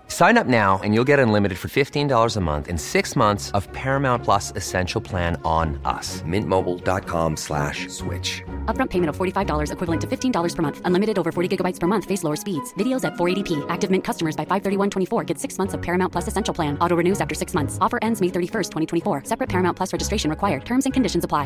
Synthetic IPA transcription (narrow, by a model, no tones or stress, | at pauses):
sãɪ̃nʌp̚naʊɨ̰̃njulˠɡɛɾʌ̃nlɪ̃mɨɾɨd̥fə˞fɪftĩndɔlˠə˞zəmʌ̰̃nθɨ̰̃nsɪksmʌ̃nθsʌv̥pʰɛɹɨmãʊ̃npʰl̥ʌsɨsɛ̃nʃl̩ˠpʰl̥æ̃nə̃nʔʌ̰smɪ̃nʔmoʊbl̩ˠdɑ̰t̚kʰɑ̰̃mslæ̰ʃswɪ̰t͡ʃʌp̚ɹʌ̃mpʰeɪ̃m̃ʌv̥fɔɹɾifaɪvdɔlˠə˞zɨkʰw̥ɪvl̩ˠə̃ntʰɨfɪftʰĩndɔlˠə˞z̥pʰə˞mʌ̃nθʔə̃nlɪmɨɾɨɾoʊvə˞fɔɹɾiɡɪɡəbaɪtspʰə˞mʌ̃nθfeɪsloʊə˞spidz̥vɪɾioʊzɨtfɔɹeɪɾipʰiæk̚tɨvmɪ̃nkʰʌstəmə˞zbaɪfaɪvθɜ˞ɾiwʌ̃ntʰwɛ̃ifɔɹɡɛtsɪksmʌ̃nθsʌv̥pʰɛɹɨmãʊ̃tpl̥ʌsɨsɛ̃nʃl̩ˠpʰl̥æ̃nɔɾoʊɹɨnʉzæftə˞sɪksmʌ̃nθsɔfə˞ʔɛ̃ndzmeɪθɜ˞ɾifɜ˞stʰwɛ̃itʰwɛ̃ifɔɹsɛpɹɨt̚pʰɛɹɨmaʊ̃npʰlʌsɹɛd͡ʒɨstɹeɪʃɨ̃nɹɨkʰwaɪə˞d̚tʰɜ̃˞mzɨ̃nkɨ̃ndɪʃɨ̃nzəpʰl̥aɪ